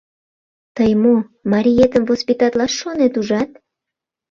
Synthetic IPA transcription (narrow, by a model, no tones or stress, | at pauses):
t̪əjmumɑɾʲijet̪əmvospʲit̪ɑt̪lɑʃːonet̪uʒɑt̪̚